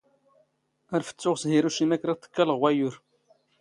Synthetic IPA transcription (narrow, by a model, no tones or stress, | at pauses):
æɾfə̥t͡sːʊʁsɦiɾuʃimækɾaθə̥kːæləʁwæjʊɾ